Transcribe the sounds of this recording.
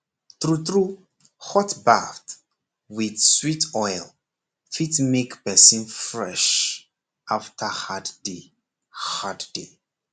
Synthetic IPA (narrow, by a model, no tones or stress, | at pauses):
θɹuθɹu | hɔtbaft | wiðswitʰɔjlˠ | fitmekpɛsĩnfɹɛʃ | ʔaftʰəhadde | hadde